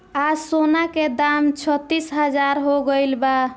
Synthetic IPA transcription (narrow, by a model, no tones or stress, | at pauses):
asonaked̪amt͡ʃʰət̪ːisɦəd͡ʒaɾɦoɡəɪlba